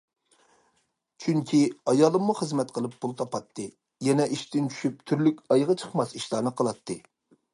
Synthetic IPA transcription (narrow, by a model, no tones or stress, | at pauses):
t͡ʃʰyŋkʲʰiɑjɑːlˠɨmːuχəzmɛt̪̚qʰəlˠɨpʰːulˠt̪ʰɑpɑt̪ʰːɨ | jɛnɛʔiʃt̪ɪnt͡ʃʰy̥ʃyp̚t̪ʰyɾlykʲɑjʁɑt͡ʃʰəχmɑsiʃlˠɑːnɨqʰəlˠɑt̪ʰːɨ